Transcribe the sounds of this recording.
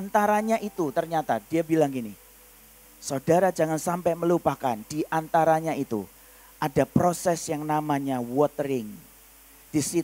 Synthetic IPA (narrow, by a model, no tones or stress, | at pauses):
ant̪aɾaɲaʔit̪ut̪ərɲat̪adiabilaŋkini | sodaɾad͡ʒaŋansampɛməlupakand̥iʔant̪aɾaɲaʔit̪ṵ | ʔadapɾosɛsjaŋnamaɲawɔt̪ɾɪŋ | d̥isi